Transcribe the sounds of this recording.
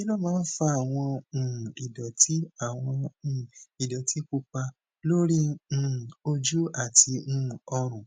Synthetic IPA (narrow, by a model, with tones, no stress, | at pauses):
i˦lɔ˦˨mãː˦fa˧˦a˨w̃ɔ̃˧˨i˨dɔ˨ti˦a˦˨w̃ɔ̃˧˨ | i˨dɔ˨tʰi˨˦ku˧k͡pa˧ | lo˦ɾĩ˦˨ | o˧d͡ʒu˦a˦˨tĩ˧˦˨ɔ˧ɾ̃ũ˨